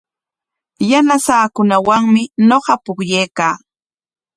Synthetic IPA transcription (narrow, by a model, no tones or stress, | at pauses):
janasaːkʊnawaŋmɪnoqɑpʊkjejkaː